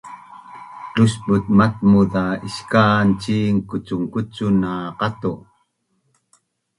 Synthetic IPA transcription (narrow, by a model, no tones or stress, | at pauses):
t͡ɬuɕbut̪̚mat̚muðaiɕkant͡ɕiŋkut͡suŋkut͡sunaqat̪u